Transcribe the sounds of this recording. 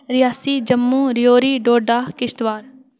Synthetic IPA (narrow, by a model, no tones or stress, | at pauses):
ɾɪjaːsiːd͡ʒəmːũːɾɪjoːɾiːɖoːɖaːkɪʃt̪ʋaːɾ